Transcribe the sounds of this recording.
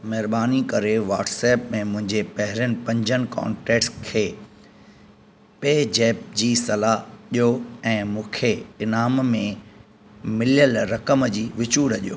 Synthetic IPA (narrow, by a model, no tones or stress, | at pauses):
mɛɦɪɾbaːnikɐɾeʋa̰ːʈseːpmẽmʊ̃ɦɪ̃ɲd͡ʑepɐɦɪɾjənɪ̆pɐ̃ɲd͡ʑənɪ̆ka̰ːɳʈɛːʈskʰeː | peːd͡ʑeːp̚d͡ʑiːsɐlaʄijoɛ̃ːmũːkʰeɪnaːmmẽ | mɪlijəlɾɐkəmd͡ʑiːʋɪt͡ɕuːɽɐʄijo̰ː